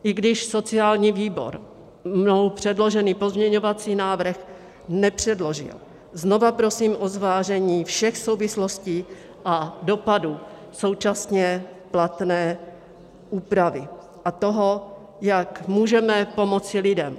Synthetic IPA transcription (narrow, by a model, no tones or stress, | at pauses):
ʔɪɡdɪʃso̞t͡sɪaːlɲiːviːbo̞̰ɾ | mnowpr̝̥ɛdlo̞ʒɛniːpo̞zmɲɛɲo̞vat͡siːnaːvr̩x | nɛpr̝̥ɛdlo̞ʒɪ̰l | zno̞vapɾo̞siːmʔozvaːʒɛɲiːfʃɛxso̞wvɪslo̞sciː | ʔado̞padu | so̞wt͡ʃasɲɛplat̪nɛː | ʔuːpɾavɪ | ʔat̪o̞ɦo | jakmuːʒɛmɛpo̞mo̞t͡sɪlɪdɛm